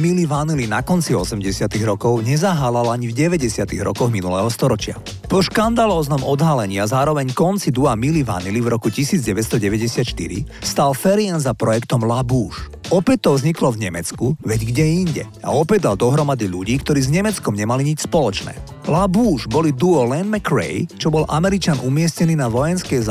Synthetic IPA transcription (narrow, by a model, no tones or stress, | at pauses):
miliʋanilinakɔnt͡siɔsɛmɟɛsɪat̪iɣɾɔkɔʊɲɛzaɦaːlalaɲivɟɛʋɛɟɛsɪat̪iɣɾɔ̰kɔɣminulɛ̰ːɦɔst̪ɔɾɔt͡ʃɪa̰ | pɔʃkand̪alɔːznɔmɔd̪ɦalɛɲɪazaːɾɔʋɛɲkɔnt͡sid̪uamiliʋa̰nilivɾɔkucisiːd͡zɟɛʋɛtst̪ɔɟɛʋɛɟɛsɪat̪ʃt̪ḭɾḭst̪alfɛɾianzapɾɔjɛkt̪ɔmlabuːʃ | ɔpɛc̚t̪ːɔvzɲiklɔvɲɛmɛt͡skuʋɛɟɡɟɛiɲɟɛ̰ | a̰ɔpɛɟd̪ald̪ɔɦɾɔmad̪iʎuɟiːkt̪ɔɾiːzɲɛmɛt͡skɔmɲɛmaliɲit͡ʃspɔlɔt͡ʃnɛ̰ː | labuːʒbɔlid̪uɔlɛnmɛkɾɛ̰jt͡ʃɔbɔlʔamɛɾit͡ʃanʔumɪɛscɛniːnaʋɔjɛnskɛz